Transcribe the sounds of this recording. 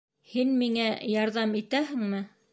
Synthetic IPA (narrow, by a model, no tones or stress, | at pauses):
hinmiŋæjɑɾðɑmit̪æhɘ̆ŋmɘ